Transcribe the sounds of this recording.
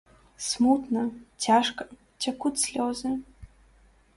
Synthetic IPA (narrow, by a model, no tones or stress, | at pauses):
smut̪nɐt͡sʲaʂkɐ̥ | t͡sʲɐkutʲsʲlʲɔzɨ